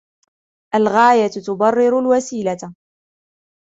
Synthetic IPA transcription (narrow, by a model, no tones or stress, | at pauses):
ʔalɣaːjat̪t̪ʊbɑrˤːɪɾʊlwasiːlat̪